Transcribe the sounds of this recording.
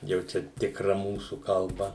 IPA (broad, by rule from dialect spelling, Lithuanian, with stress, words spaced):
jɛʊ ˈt͡ʃʲɛ tʲɪkˈrɐ ˈmuːsʊ kɐlˠˈbɐ